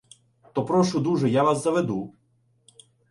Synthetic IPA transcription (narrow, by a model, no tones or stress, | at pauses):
t̪ɔpɾɔʃʊd̪uʒɛjaʋaszɐʋed̪u